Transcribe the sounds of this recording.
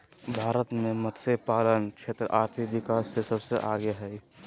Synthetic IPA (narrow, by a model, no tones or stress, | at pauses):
bʱaːɾət̪mẽmət̪ʰfepaːlənkʃʰeːt̪ɾəʔaːɾt̪ʰikʋɪkaːsːesəbseʔaːɡeɦɛ